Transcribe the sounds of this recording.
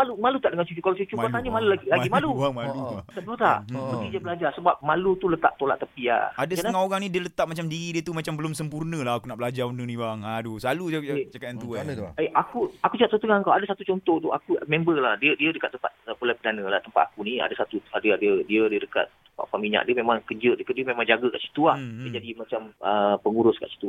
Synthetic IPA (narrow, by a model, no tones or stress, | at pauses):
malumalut̪aʔdəŋant͡ʃut͡ʃukalawt͡ʃut͡ʃubət̪aɲəmalulaɡilaɡimaluamalut̪aduat̪a̰ʔbəɡidiəbəlad͡ʒarsəbap̚malut̪ulət̪a̰ʔt̪ola̰ʔt̪əpia̰adəsəŋaoɾaŋnidiələt̪aʔ̚mat͡ʃamdiɾidiət̪umat͡ʃambəlʊmsəmpurnə̃laɦakunaʔbəlad͡ʒarunənĩbaŋadoslalut͡ʃakat̪ant̪uaneakuakut͡ʃəkat̪ot̪əŋaŋkawadəsat̪ut͡ʃɔnt̪ɔht̪ua̰kumẽmbəlahdiədiədəkat̪̚əmpat̪̚əpolapədanə̃laht̪əmpat̪̚akunia̰dəsat̪uadəadədiədiədəka̰t̪̚ː | əmpa̰paʔmiɲa̰ʔdiəmemaŋkəd͡ʒədəkaʔ̚diəmemãŋd͡ʒaɡəka̰ʔsi̥t̪uahəd͡ʒadimat͡ʃaməpəŋuɾʊska̰ʔsi̥t̪u